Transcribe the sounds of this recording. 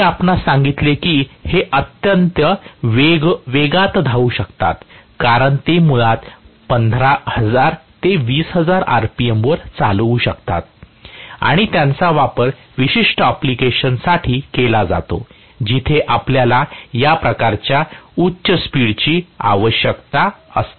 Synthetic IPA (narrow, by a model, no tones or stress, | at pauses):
miapnasãŋɡit̪lekiːheʔət̪jənt̪jəʋeɡʋeɡat̪d̪ʱauɕəkt̪a̰t̪kaɾəɳt̪emuɭat̪pənd̪ʱɾahəd͡zaɾt̪eʋiːsɦəd͡zaɾa̰ɾpiemʋəɾt͡saluɕəkt̪a̰t̪̚ | a̰ɽ̃it̪jãnt͡saʋapəɾ | ʋiɕiʂʈəaplikeɕənsaʈʰiːkelad͡za̰t̪o̰ | d͡ʑit̪ʰeʔapljalajapɾəkaɾt͡ɕjautːɕəspiɽt͡ɕiːa̰ʋəɕjəkt̪aəst̪